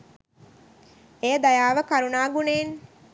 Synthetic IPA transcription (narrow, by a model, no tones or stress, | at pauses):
ejəd̪ajaːʋəkaɾunaːɡuneːn